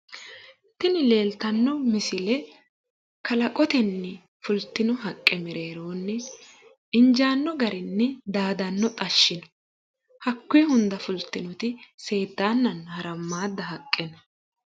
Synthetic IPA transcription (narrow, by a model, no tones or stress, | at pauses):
t̪ɪnɪle̞ːlt̪ɐnːɔmɪsɪlɛ | kʰɐlɐkʼɔt̪ɛnːɛ | fʊlt̪ːɪnɔɦɐkʼːɛmɛɾe̞ːɾoːnːɛ | ɪnd͡ʒaːnːɔɡɐɾɪnːɛd̪aːd̪ɐnːɔt̪ʼɐʃːɪnɔ̥ | hɐkːʊjɛhʊnd̪ɐfʊlt̪ːɪnɔt̪ɪse̞ːd̪ːaːnːɐnhɐɾɐmːaːd̪ːɐɦɐkʼːɛnɐ